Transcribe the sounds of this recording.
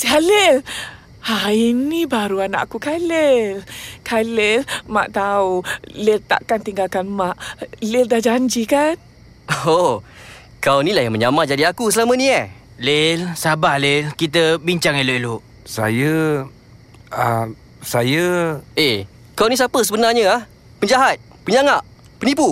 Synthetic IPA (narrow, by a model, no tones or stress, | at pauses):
siɦalel | ainibaɾuana̰ʔkukalelkʰalelma̰ʔt̪aulelt̪a̰ʔkant̪iŋɡalkanmaʔlɪldahd͡ʒaɲd͡ʒikan | o | kawnilahjaŋməɲamad͡ʒadiakusəlamənĩɛ | lelsabahlelkit̪̬əbiɲt͡ʃaŋeloʔeloʔ | sa̰jə | a | sajəe | kawnĩs̬apəsəbənarɲəah | pəɲd͡ʒaɦat̪̚ | pəɲaŋaʔ | pənip̬u